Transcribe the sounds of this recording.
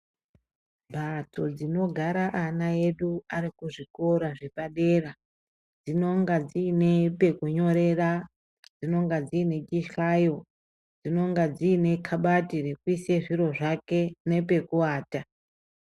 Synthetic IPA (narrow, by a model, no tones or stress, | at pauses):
bʱato̞d͡zino̞ɡʱaɾaʔanae̞ɗuaɾikuʐiko̞ɾaʐe̞paɗe̞ːra | d͡zino̞ŋɡad͡ziːne̞pe̞kuɲo̞ɾe̞ra | d͡zino̞ŋɡad͡ziːne̞t͡ʃiʃajo̞ | d͡zino̞ŋɡad͡ziːne̞kʰaɓatire̞kuise̞ʐiɾo̞ʐake̞ne̞pe̞kuwaːta